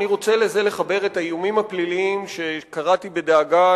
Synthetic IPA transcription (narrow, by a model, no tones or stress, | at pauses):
niʁo̞t͡sele̞ze̞le̞χabe̞ʁetaijumimhapliliimʃe̞kaʁatibe̞deːɡa